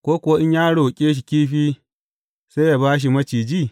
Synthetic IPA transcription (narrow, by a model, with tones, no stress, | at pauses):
kʷoː˦kʷʊ˨wa˦ʔɪ˦ɲjaː˦ɽo˨kʲʼeː˦ʃ̬i˨kʲiː˦ɸiː˦ | sa˦ja˨baː˦ʃ̬i˨mɐ˦t͡ʃiː˨d͡ʒiː˦˨